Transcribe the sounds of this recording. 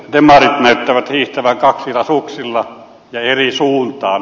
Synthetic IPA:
t̪emɑrit̪næˑyt̪ːæʋæt̪hiːht̪æʋæŋkɑksilɑsuksilːɑ | jɑerisuːnt̪ɑːn

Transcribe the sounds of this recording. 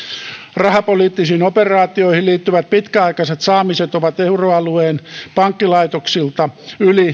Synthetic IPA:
rɑhɑpoliːt̪ːisiːnoperɑːt̪ioihilliːt̪ːyʋæt̪̚pit̪kæɑikɑset̪sɑːmiset̪oʋɑt̪euroɑlueːnpɑŋkːilɑit̪oksilt̪ɑyli

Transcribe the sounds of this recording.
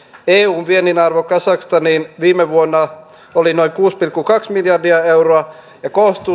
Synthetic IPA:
eːuːnʋieninɑrʋokɑsɑkst̪ɑniːnʋiːmeʋuonːɑ | olinoiŋkuːspilkːukɑksmiljɑrdiɑewroɑ | jɑkoːst̪u

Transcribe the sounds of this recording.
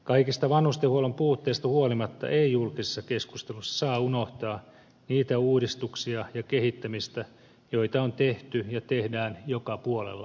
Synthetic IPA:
kɑikist̪ɑʋɑnhust̪ehuolompuːt̪ːeist̪ɑhuolimɑt̪ːɑ̰ʔeijulkise̥sːɑkeskust̪elusːɑ̥sɑːunoht̪ɑː | niːt̪æuːdist̪uksiɑjɑkehit̪ːæmist̪æ | joit̪ɑont̪eht̪yjɑt̪ehdæːnjokɑpuolḛlːɑ̰

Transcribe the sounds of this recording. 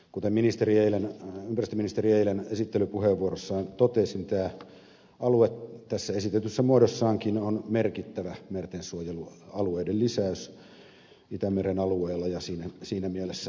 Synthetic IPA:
kut̪emminist̪erieilenympærist̪øminist̪erieilenesit̪ːelypuheʋʋuorosːɑint̪ot̪esnit̪æː | ɑluet̪t̪æsːæesit̪et̪ysːæmuodosːɑːŋkinonmerkit̪ːæʋæmert̪ensuojeluɑlueidellisæys | it̪æmerenɑlueːlːɑjɑsiːnæsiːnæmielesːæ

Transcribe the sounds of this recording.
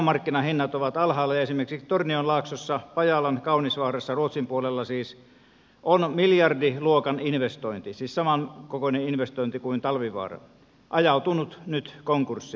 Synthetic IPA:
mɑrkːinɑhinːɑt̪oʋɑt̪ɑlhɑːlːejɑesimerksikst̪ornionlɑːksosːɑpɑjɑlɑnkɑunisʋɑːrɑsːɑruot̪simpuolelːɑsiːs | ʔonmiljɑrdiluokɑninʋest̪oint̪isiːssɑmɑnkokoneinʋest̪oint̪ikuint̪ɑlʋiʋɑ̰ːrɑ̰ | ʔɑjɑut̪unut̪nyt̪koŋkursːi

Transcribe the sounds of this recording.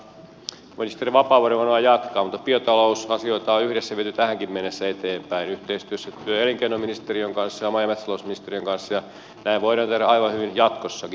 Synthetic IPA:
minist̪eriʋɑpɑːʋoɾeʋɑnoɑjɑt̪kɑːmut̪ːɑ̥piøt̪ɑlousɑsioit̪ɑoyhɾesːæʋiet̪yt̪æhæŋkimmenːesːæet̪eːmpæinyht̪eist̪yøsːæt̪yøeliŋkeinːominist̪eriøŋkɑnsːɑjɑmɑjɑmet̪sɑloˑusminist̪eriøŋkɑnsːɑjɑ | næiʋʋoiɾɑˑnt̪ehɾæɑiʋɑhyʋinjɑt̪kosːɑki

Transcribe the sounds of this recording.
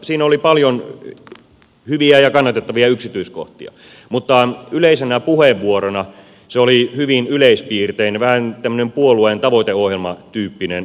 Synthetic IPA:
siːnolipɑljon | hyʋiæjɑkɑnːɑt̪et̪ːɑʋiɑyksit̪yisko̰ht̪ḭɑ̰ | mut̪ːɑyleisenæpuheʋʋuoronɑ | seolihyʋinyleispiːrt̪einʋæhænt̪æmːø̆nempuolueˑnt̪ɑʋoit̪eohjelmɑt̪yːpːinen

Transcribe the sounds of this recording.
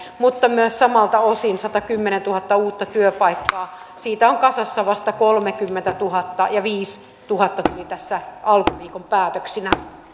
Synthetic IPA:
mut̪ːɑmyøssɑmɑlt̪ɑosinsɑt̪ɑkymːenent̪uhɑt̪ːɑuːt̪ːɑt̪yøpɑikːɑː | siːt̪æoŋkɑsɑsːɑʋɑst̪ɑkolmekymːent̪æt̪uhɑt̪ːɑjɑʋiːs | t̪uhɑt̪ːɑt̪ulit̪æsːæʔɑlkuʋiːkompæːt̪øksinæ

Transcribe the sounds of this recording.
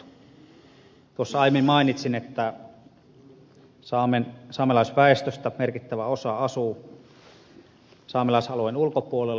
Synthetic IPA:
t̪uosːɑɑˑjmimɑˑinit̪sinet̪ːæ | sɑːmensɑːmelɑˑisʋæest̪øst̪æmerkit̪ːæʋæosɑɑsu | sɑːmelɑˑisɑluenulkopuolelː

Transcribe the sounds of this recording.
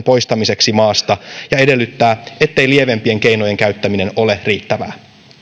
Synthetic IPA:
mpo̞jst̪ɑmise̞ksimɑːst̪ɑjɑe̞de̞lːyt̪ːæːe̞t̪ːe̞jlie̞ʋe̞mpie̞ŋke̞jno̞je̞ŋkæɥt̪ːæmine̞no̞le̞riːt̪ːæʋæ̰ː

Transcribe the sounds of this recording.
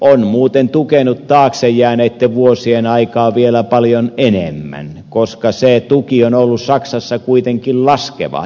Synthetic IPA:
onmuːt̪ent̪ukenut̪t̪ɑːksejːˑæːneːt̪ːeʋuosienɑikɑːʋielæpɑljonenemːæ̰n | koskɑseˑt̪ukionolːussɑksɑsːɑkuit̪eŋkillɑskḛʋɑ̰

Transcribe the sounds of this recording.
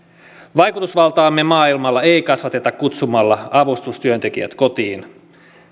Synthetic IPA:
ʋɑjkut̪usʋɑlt̪ɑːmːemɑːilmɑlːɑe̞jkɑsʋɑt̪e̞t̪ɑkkut̪sumɑlːɑɑʋust̪ust̪yønt̪e̞kiæ̰t̪kot̪iːn

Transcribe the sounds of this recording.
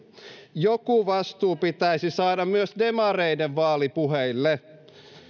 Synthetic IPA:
jokuʋɑst̪uːpit̪æisisɑːdɑmmyøsdemɑre̞jdeʋʋɑːlipuɦeilːe

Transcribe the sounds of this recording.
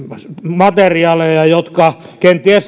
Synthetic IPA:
mɑt̪eriɑːlejɑjot̪kɑ | kent̪ːˑiæs

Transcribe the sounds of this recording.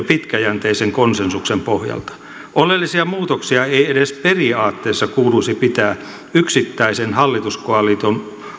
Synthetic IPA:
pit̪kæjænt̪eiseŋkonsensuksempohjɑ̰lt̪ɑ̥ | ʔolelːisiɑmuːt̪oksiɑeiedesperiɑːt̪ːeːsːɑkuːluisipit̪æː | yksit̪ːæisenhɑlːit̪uskoɑlit̪on

